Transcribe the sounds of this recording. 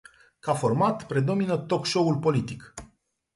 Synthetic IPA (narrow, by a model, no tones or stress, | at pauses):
kafo̞rmat̪pɾe̞d̪o̞minət̪o̞kʃo̞ulpo̞lit̪ik